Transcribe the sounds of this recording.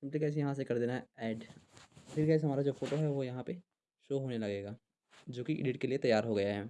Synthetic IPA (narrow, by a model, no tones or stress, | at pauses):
sɪ̃mplikɛːs̬jɐɦãs̬ekɐɾd̪eːnaɦɛɛːɖ | fɪɾɡaːsɦɐmaːɾad͡ʒoːfoːʈoɦɛʋojɐɦãpe | ʃoːɦoːnelɐɡeːɡaː | d͡ʒoːkiʔɪ̰ɖɪʈkeliet̪ɐjaːɾɦoɡɐjaɦɛː